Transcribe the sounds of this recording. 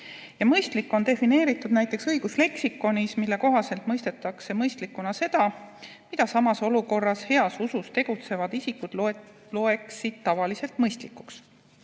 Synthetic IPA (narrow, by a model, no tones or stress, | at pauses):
jɑmɤjst̪likːˑo̞nd̪e̞fine̞ːɾit̪ːˑud̪̥̚næjt̪ːˑe̞ksɤjɡ̥usle̞ksikːˑo̞nʲismilːe̞ko̞ɦɑse̞lt̪ˑmɤjst̪e̞t̪ːˑɑkse̞mɤjst̪likːˑunɑse̞d̪̥ɑ | mid̪̥ɑsɑmɑso̞luko̞rːɑshe̞ɑsusust̪e̞ɡ̥ut̪se̞vɑd̪isikːud̪̥l | lo̞e̞ksid̪̥̚t̪ɑvɑlise̞lt̪mɤjst̪likːˑu̥ks